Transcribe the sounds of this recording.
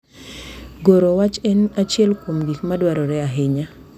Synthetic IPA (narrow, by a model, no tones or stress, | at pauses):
ɡoɾowat͡ʃɛnat͡ʃɛlkomɡikmadwaɾɔɾɛaɦɪɲa